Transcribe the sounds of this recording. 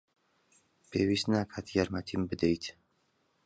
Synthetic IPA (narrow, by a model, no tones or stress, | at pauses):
pʰeːwist̪naːkʰat̪ʰjaɾmat̪ʰimbɨd̪ɛjt̪ʰ